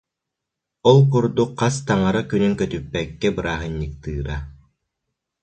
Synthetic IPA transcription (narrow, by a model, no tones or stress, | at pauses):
ɔlˠkuɾd̪ukqʰːast̪aŋaɾakynyŋkœt̪ypːɛkːɛbɯɾaːɦɯnːik̚t̪ɯːɾa